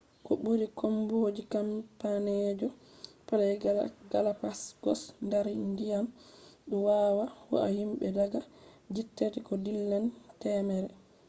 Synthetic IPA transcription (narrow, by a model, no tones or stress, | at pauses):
kɔɓuɾikʰɔmbod͡ʒikampanɛd͡ʒɔpalɛɡalapasɡ̥ɔsndaɾndijamɗɔwawawɔ̰a̰himɓɛdaɡad͡ʒitːetikɔdilːantɛːmɛɾɛ